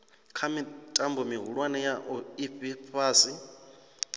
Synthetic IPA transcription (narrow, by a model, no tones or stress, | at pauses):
kʰamitʼambɔmiɦuɺwanɛjaʔɔiɸiɸʰaːsi